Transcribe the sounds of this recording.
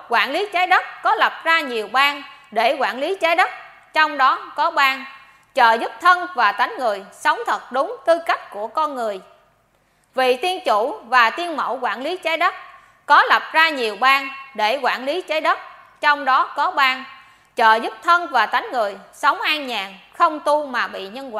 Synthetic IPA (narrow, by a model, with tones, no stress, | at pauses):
kwaː˧˩nli˨˦t͡ɕaː˨˦jɗə˦˥t̚kɔ˨˦lə˨˩p̚zaː˧ɲi˨˩əwɓaː˧nɗe˧˩kwaː˧˩nli˨˦t͡ɕaː˨˦jɗə˦˥t̚ | t͡ɕɔ˧wŋ͡mɗɔ˨˦kɔ˨˦ɓaː˧n | t͡ɕəː˨˩zu˦˥p̚t̪ʰə˧nvaː˨˩t̪a˨˦jŋ̟ŋɨ˨˩əjsə˨˦wŋ͡mt̪ʰə˨˩t̚ɗʊ˨˦ŋ͡mt̪ɨ˧ka˦˥jk̟̚ku˧˩əkɔ˧nŋɨ˨˩əj | vi˨˩t̪i˧ənt͡ɕṵ˧˩vaː˨˩t̪i˧ənmə̰˧˩wkwa̰ː˧˩nli˨˦t͡ɕa˨˦jɗə˦˥t̚ | kɔ˨˦la˨˩p̚zaː˧ɲi˨˩əwɓaː˧nɗe˧˩kwaː˧˩nli˨˦t͡ɕa˨˦jɗə˦˥t̚ | t͡ɕɔ˧wŋ͡mɗɔ˨˦kɔ˨˦ɓaː˧ | t͡ɕəː˨˩zu˦˥p̚t̪ʰə˧nvaː˨˩t̪a˨˦jŋŋɨ˨˩əjsə˨˦wŋ͡mʔaː˧ŋɲaː˨˩ŋxə˧wŋ͡mt̪u˧maː˨˩ɓḭ˧˨ɲə˧nwaː˧˨